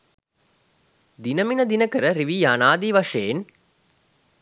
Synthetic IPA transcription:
d̪inəminəd̪inəkəɾəɾiʋijːnaːd̪iʋɐʂeːn

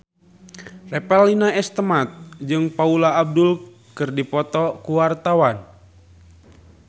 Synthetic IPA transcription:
rɛpɛlinaɛst̪əmat̪̚d͡ʒɨŋpaulaːb̚dul | kɨrdipɔt̪ɔkuwart̪awan

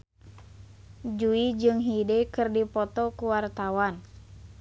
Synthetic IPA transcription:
d͡ʒuid͡ʒɨŋɦidekɨrdipɔt̪ɔkuwart̪awan

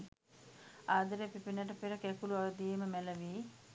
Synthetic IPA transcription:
aːd̪ɐɾepipinɐʈəpeɾɐkɛkuluaʋɐd̪ijeməmɛləʋiː

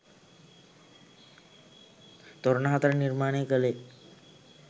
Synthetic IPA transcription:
t̪ɔɾnaɦat̪ɾaniɾmaɽ̃ekəle

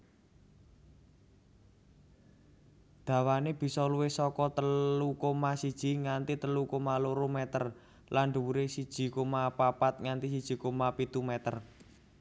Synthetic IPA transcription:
d̪̥ä̤waneb̥i̤sɔluwɪhsɔkɔt̪əlukomasid̥ʒ̥i̤ŋant̪it̪əlukomaloɾomɛt̪ər | lanɖuuɾesid̥ʒ̥i̤komapapat̪̚ŋant̪isid̥ʒ̥i̤komapit̪umɛt̪ər

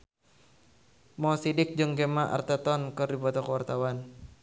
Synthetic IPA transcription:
mɔsidɪk̚d͡ʒɨŋɡɛmaʔa̰rt̪ɛt̪ɔnkɨrdibɔt̪ɔkəwart̪awan

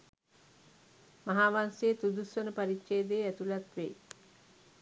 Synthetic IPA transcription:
maɦaːʋansejːt̪ud̪usʋənəpaɾikʃeːd̪eːæt̪ulat̪ʋḛ

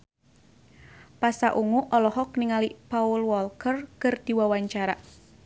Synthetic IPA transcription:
pasaʔuŋuʔɔlɔɦɔk̚niŋalipaulwɔlkərkərd̪̥i̤wawaɲt͡ʃaɾa

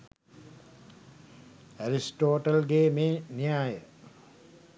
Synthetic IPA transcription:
æɾisʈoːʈɐlɡeːmeːnijaːjə

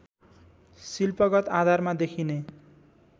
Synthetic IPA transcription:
silpʌɡʌt̪ad̪ʱarmad̪ekʰine

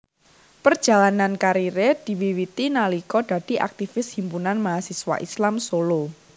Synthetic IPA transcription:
pərd̥ʒ̥a̤lanankaɾiɾed̪̥i̤wiwit̪inalikɔd̥a̤d̥i̤ʔa̰k̚t̪ifɪshimpunanmaɦasiswa̰ʔislamsolo

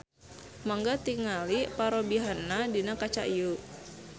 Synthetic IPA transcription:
maŋɡat̪iŋalipaɾobiɦanadinakat͡ʃa̰ʔiu

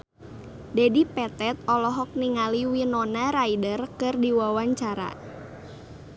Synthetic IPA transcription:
dɛdipɛt̪ɛt̪̚ɔlɔɦɔk̚niŋaliwinɔnaɾaidərkɨrdiwawaɲt͡ʃaɾa̰

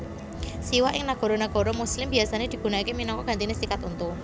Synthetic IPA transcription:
siwaʔɪŋnaɡ̥ɔ̤ɾɔnaɡ̥ɔ̤ɾɔmuslɪmbiasaned̪̥i̤ɡ̥ṳnaikeminɔŋkɔɡ̥a̤nt̪inesikat̪unt̪u

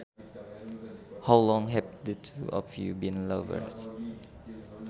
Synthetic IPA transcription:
hawlɔ̃ŋɦɛd̚d̪ətʰuʔɔ̰fjṵbĩnlʌvə̰ɹs

